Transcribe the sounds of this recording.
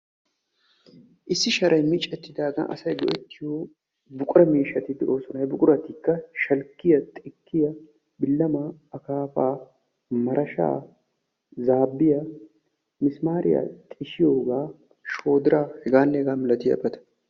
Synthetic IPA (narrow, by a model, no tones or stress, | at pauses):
ʔɪsːɪʃɐɾʔɐjmɪt͡ʃʼːɛt̪ːɪd̪aːɡɐ̰ʔɐ̰sɐjɡɔ̰ʔɛt̪ːɪjoː | bʊkʼʊɾɐmiːʃːɐt̪ɪd̪ɛo̞ːsʊnɐjbʊkʼʊɾɐt̪iːkːɐʃɐlkːɪjɐt̪ʼɪkʰːɪjɐ | bɪlːɐmaːɐkaːfaː | mɐɾʔɐʃa̰ː | zaːbːɪjɐ | mɪsmaːɾɪ̰ja̰t̪ʼɪʃɪjo̞ːɡaː | ʃo̞ːd̪ɪɾaːhɛɡaːnːɛɛɡaːmɪlɐt̪ɪjɐ̰bɐt̪ɐ̥